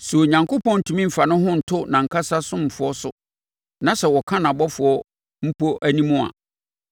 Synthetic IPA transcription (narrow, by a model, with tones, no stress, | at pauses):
su˨o˨ɲã˨ŋko˦pɔ̃˦n̩˨tʰũ˨mĩ˦m̩˨fa˨nʊ̃˦ɦʊ̃˦n̩˨tʰʊ˦nã˨ŋ̩˨kʰa˦sa˦sʊ̃˦m̩˨fʊ˨ɔ˦sʊ˨ | nã˨sɛ˨wɔ˨kʰã˦nã˨bɔ˦fʊ˨ɔ˦ | m̩˦pʰo˦ʔæ˦nĩ˦mʊ̃˦a̰˨